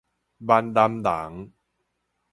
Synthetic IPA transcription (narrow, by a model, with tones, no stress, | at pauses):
ba˧nd̪a˧md̪a˨˩˦ŋ